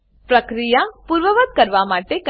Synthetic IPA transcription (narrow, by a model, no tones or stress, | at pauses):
pɾəkɾijapuɾʋəʋət̪̚kəɾʋamaːʈek